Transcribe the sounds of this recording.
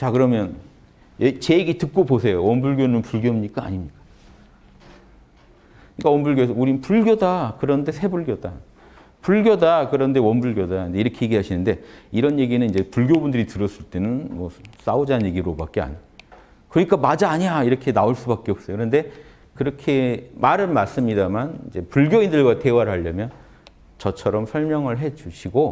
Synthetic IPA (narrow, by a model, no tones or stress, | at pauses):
t͡ɕakɯɾʌmjʌn | et͡ɕe̞eɡitɯk̚k͈obosʰe̞jowʌnbuɭɡjonɯnpuɭɡjomuɲik͈aa̰ɲimɲik͈ḁ | ɯɲik͈awʌnbuɭɡjos̬ʰʌuɾinɯnpuɭɡjodakɯɾʌnnde̞sʰe̞buɭɡjoda | puɭɡjodakɯɾʌnde̞wʌnbuɭɡjodande̞iɾʌkʰe̞jeɡiɦaɕʰinɯnde̞iɾʌnje̞ɡinɯniɲd͡ʑe̞puɭɡjobundɯɾitɯɾʌs͈ɯɭt͈e̞nɯnmʌs͈aod͡ʑanje̞ɡiɾobak͈ea̰ɲ | kɯɾʌɲik͈amad͡ʑaːɲiaiɾʌkʰe̞naoɭs͈ubak͈eʌp̚s͈ʌjokɯɾʌnde̞ | kɯɾʌkʰe̞maɾɯnmas͈ɯmɲidamanid͡ʑe̞puɭɡjoindɯɭɡwate̞waɾɦaʎːʌmjʌn | t͡ɕʌt͡ɕʰʌɾʌmsʰʌɭmjʌŋɯɭɦe̞d͡ʑuɕʰiɡo